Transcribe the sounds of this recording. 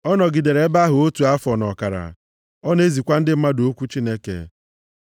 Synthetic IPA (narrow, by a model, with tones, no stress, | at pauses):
ɔ˦nɔ˨ɡi˨de˨ɾe˦ba˦ɦʊ˨o˦tu˨a˦fɔ˨nɔ˨ka˨ɾa̰˨ | ɔ˦ne˦zi˨kʷa˦n̩˦dɪ˦m̩˦ma˦do˦kʷu˦t͡ʃi˦ne˦kḛ˨